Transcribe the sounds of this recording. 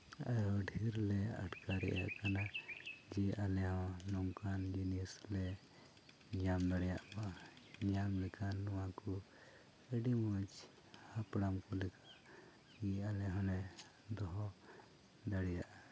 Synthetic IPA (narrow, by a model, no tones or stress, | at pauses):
ajɔɖʱiɾlɛa̰ʈkaɾɛ̰ʔja̰ʔkanad͡ʒɛʔalɛɦɔ̃nɔŋkand͡ʒinɛslɛ | ɲamd̪aɽɛjaʔmaɲamlɛkʰanːɔwãkɔ | ɛɖimat͡ʃ | hapɽamkɔlɛkʰaʔ | ɡɛalɛɦɔ̃nɛ | d̪ɔɦɔ | d̪aɽɛjaʔ